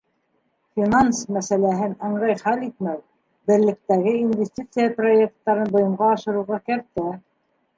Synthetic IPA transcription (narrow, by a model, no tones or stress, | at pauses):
fʲinansmæsælæɦɘnɑɴɾɤjχælit̪mæw | bɘ̆ɾlɘ̆k̚t̪æɡɘinvʲesʲtʲit̪sɨjaproek̚t̪ːɑɾɤnbŏjɤ̆mʁɑːʃɤ̆ɾɤ̆wʁɑkæɾt̪æ